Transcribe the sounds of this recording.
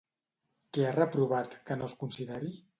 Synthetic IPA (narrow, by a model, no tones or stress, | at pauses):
kɛarəpɾuβ̞at̪kənoskunsiðeɾi